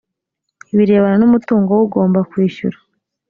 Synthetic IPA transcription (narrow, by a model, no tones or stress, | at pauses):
iβiɾe̞ːβananumutuːŋɡowuɡo̞ːmbakwiːʃṵɾḁ